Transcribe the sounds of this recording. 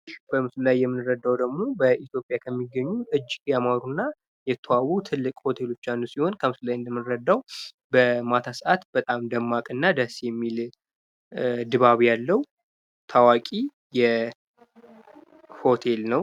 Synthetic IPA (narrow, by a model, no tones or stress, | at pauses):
ʃbəmɨsulajːɛmːɨnɨɾəd̪ːawd̪əɡmo̞bəʔit̪jo̞pʼjakʰəmːiɡːəɲːuʔɨd͡ʒːɪɡjamaɾunːa | jɛt̪ʰːəwawːut̪ʰɨlːɨkʼho̞t̪ʰe̞lo̞t͡ʃːanːusiho̞nkʰəmɨsulajɨnd̪əmːɨnɾəd̪ːaw | bəmat̪ʰasʔat̪bət̪ʼamd̪əmːakʼɨnːad̪əsjɛmːil | d̪ɨβaβjalːəw | t̪ʰawakʼi | jɛ | ho̞t̪ʰe̞lnəw